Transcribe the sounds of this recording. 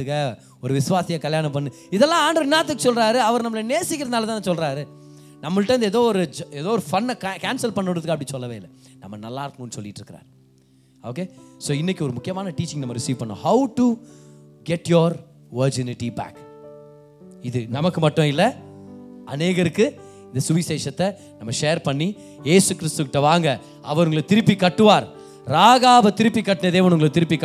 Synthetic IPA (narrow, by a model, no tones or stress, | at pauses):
ɯkːɐ | ɔɾɯʋɪsɯʋaːsɪjɐkɐljaːnɐp̬ɐɳːɯ | ɪðɛlːãːaːɳɖɾɐɪnːaːt̪ːɯkːɯsɔlɾaːɾɯɐʋɐɾnɐmːɐlɐneːsɪkːɪɾɐðnaːlɐt̪ãːsɔlɾaːɾɯ | nɐmːɐʈːɐːɐnd̪ɯeːðoːɔɾɯd͡ʒɛðoːɔɾɯfɐnːkːkaːnsɐlpɐɳːɯɳɖɾɐðɯkːɐp̬ːɐɽɪsɔlːɐʋeːɪlːɛnɐmːɐnɐlːaːɾɯkːõnːɯsɔlːɪʈːɪɾɯkːɪɾa̰ːɾ | o̰ːkeːsoːɪnːɪkʲːiɔɾɯmʊkːɪjɐmaːnɐʈiːt͡ʃːɪ̃ŋnɐmːɐɾɪsiːʋpɐɳːõ̰ːhɐʊʈu | ɡɛʈjɔɾ | ʋɐɾd͡ʒɪnɪʈːibæ̰ːk | ɪðɯnɐmɐkːɯmɐʈːɔ̃ɪlːɐ | ʔɐneːɣɐɾɯkːɯ | ɪnd̪ɐsʊʋɪseːʂɐt̪ːɛ | nɐmːɐʂeːɐɾpɐɳːi | jeːsɯkɪɾɪst̪ɯkɪʈːɐʋaːŋɡɐ | ɐʋɐɾʊŋɡɐɭɯt̪ɪɾɯpːikːɐʈːɯʋaːɾ | ɾaːɣaːʋɐt̪ɪɾɯpːikːɐʈːɯnɐd̪eːʋɐnʊŋɡɐɭt̪ɪɾɯpːikː